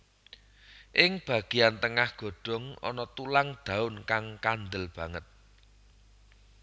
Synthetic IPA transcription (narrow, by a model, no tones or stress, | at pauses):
ʔɪŋb̥a̤ɡ̥ijant̪əŋahɡ̥o̤ɖ̥ɔ̤ŋɔ̰nɔt̪ulaŋd̪̥ä̤ʊnkaŋkand̪əlb̥ä̤ŋət̪̚